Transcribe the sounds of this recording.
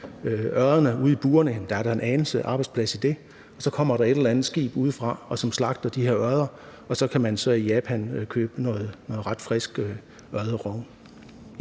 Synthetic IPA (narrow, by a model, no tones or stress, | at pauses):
øɶɐðˠɐnəuð̞̰ˠib̥uːɐnənd̥æɐɾ̥ɑ̈e̝nɛːnl̩səʔɑ̈ːb̥ɑ̈ɪdspʰlæsid̥e̝ | ɒ̽sɒ̽kʰɒ̽m̰ɐɾ̥ɑ̈e̝ɾelɐlænð̩ˠsɡ̥ḭːb̥uð̞ˠəfʁɑ̈ɒ̽sɒ̽mslɑ̈ɡ̥̚d̥ɐd̥ihe̝ɐɶɐð̞ˠɐɒ̽sɒ̽kʰæmænsɒ̽ijɛːpʰænkʰøːb̥ənɔ̽ːð̩ˠnɔ̽ːð̩ˠʁɑ̈d̥fʁɛsɡ̥ | ɶɐð̞ˠəʁɔŋ